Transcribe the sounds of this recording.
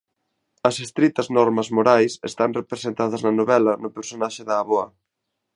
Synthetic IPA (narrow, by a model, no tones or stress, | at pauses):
ɐsest̪ɾit̪ɐznɔɾmɐzmoɾajsḛst̪aŋrepɾesent̪að̞ɐznɐnoβɛlɐnʊpeɾsonaʃɪðɐːβoɐ